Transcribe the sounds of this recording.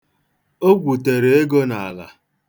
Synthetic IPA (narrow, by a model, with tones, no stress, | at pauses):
o˦ɡʷu˨te˨ɾe˨e˦ɡo˦na˨a˨la̰˨